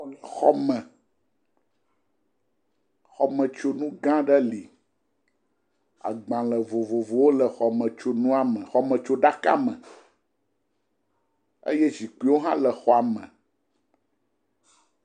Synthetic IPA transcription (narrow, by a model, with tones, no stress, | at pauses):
xɔ̰˦mɛ̃˨ | xɔ˨mə̃˨t͡ʃo˦nũ˦ɡã˦ɖə˦li˨ | a̰˨ɡ͡bã˨lə˨vo˨vo˨vo˨wo˦lə˨xɔ˨mə̃˨t͡ʃo˦nũ˦a˨mə̃˨xɔ˨mə̃˨t͡ʃo˦ɖa˦ka̰˦mə̃˨ | ḛ˦jɛ˦zi˨ku˦i˦wo˦ɦã˦lə˨xɔ˨a˨mə̃˨